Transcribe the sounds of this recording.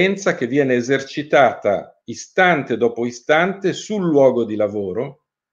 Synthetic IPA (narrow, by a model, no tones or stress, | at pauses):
ɛnt̪sak̟evːjɛːneːzert͡ʃit̪aːt̪a̰ | ist̪ant̪ed̪ɔːpoist̪ant̪esulːwɔːɡod̪ilavoːɾo